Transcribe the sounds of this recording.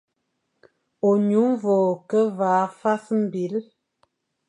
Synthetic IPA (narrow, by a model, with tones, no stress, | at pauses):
o˨ɲu˨˦m˦vɔ˨kə˦vaː˨˦fa˦sm̩˦˨bi˨˦l